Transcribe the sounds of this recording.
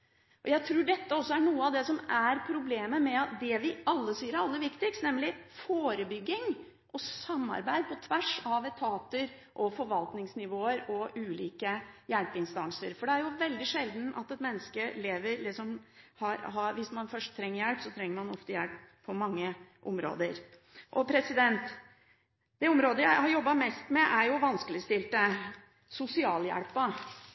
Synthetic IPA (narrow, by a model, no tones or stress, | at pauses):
ʔɔjæɪt̪ʰɾuːɖɛt̪ːəɔsːɔæɳuːəɑʋd̪ɛsɔmæɾpʰɾʊbleːməmɛɑt̪̚d̪ɛʋɪɑlːəsiːəɾæɑlːəʋɪkt̪ɪkst̪nɛmlɪfoːɾəbʏɡːɪŋ | ʔɔsɑmːɑ̰ɾbæɪd̪̚pʰɔt̪ʰʋæʂɑʋɛt̪ʰɑːt̪əɾ | ʔɔfɔɾʋɑlt̪nɪŋsnɪʋoːəɾɔʔʉːlḭːkəjælpɪnst̪ɑŋsəɾfɔɖɛæɾjʊʋɛld̪ɪʂɛld̪n̩ɑ̰t̪ɛt̪mɛnːəskəleːʋəɾlɪksɔmhɑɾɦɑɾʋɪsmɑnfœʂʈ̚t̪ʰːɾɛŋːəɾjælpsɔt̪ʰɾɛŋːəɾmɑnɔft̪əjælpʰː | ɔmɑŋːəʔɔmɾo̰ːd̪əɾ | ʔɔpʰɾɛsɪd̪ɛnt̪ | d̪̥ɛɔmɾoːd̪əjæɪhɑɾjɔbːɑmɛst̪mɛʔæɾjʊʋɑnskəlɪst̪ɪlt̪ə | sʊsɪɑːljæ̰ɽpɑ